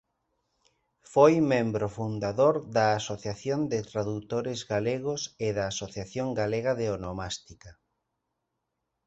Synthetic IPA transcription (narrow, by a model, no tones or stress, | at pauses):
fojmẽmbɾofund̪aðoɾðaːsoθjaθjond̪ɪt̪ɾaðut̪oɾɪzɣaleɣosɪðɐːsoθjaθjoŋɡaleɣaðeonomast̪ika